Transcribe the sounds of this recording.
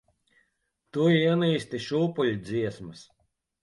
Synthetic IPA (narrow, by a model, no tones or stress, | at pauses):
t̪uːiɛniːsʲt̪iʃuːpulʲid̪zʲiɛsmɨs